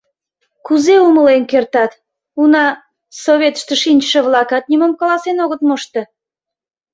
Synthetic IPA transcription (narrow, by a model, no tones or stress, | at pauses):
kuzeuməlenkert̪ɑt̪ | unɑ | soβʲet̪ʃt̪əʃinʲt͡ɕʃəβlɑkɑt̪̚nʲimomkɑlɑsenoɣət̪moʃt̪e̽